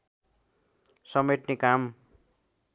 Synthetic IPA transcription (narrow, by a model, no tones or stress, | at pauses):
sʌmet̪nekam